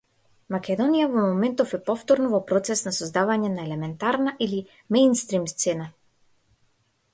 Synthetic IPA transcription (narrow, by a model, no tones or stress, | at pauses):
makʲɛd̪ɔnijavɔmɔmɛnt̪ɔfɛpɔft̪ɔɾnɔvɔpɾɔt̪sɛsnasɔzd̪avaɲɛnaɛlɛmɛnt̪aɾnaʔili | mɛjnst̪ɾimst̪sɛna